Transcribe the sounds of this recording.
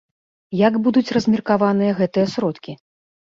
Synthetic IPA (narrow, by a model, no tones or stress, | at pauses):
jaɡbud̪ut͡sʲrɐzʲmʲirkavan̪ɨjɐɣɛt̪ɨjɐsɾɔt̪kʲi